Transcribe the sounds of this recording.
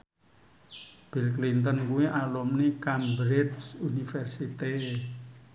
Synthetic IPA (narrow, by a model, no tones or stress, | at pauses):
b̥ilklint̪ənkuwiʔalumnikambɾɪdsunifɛrsit̪e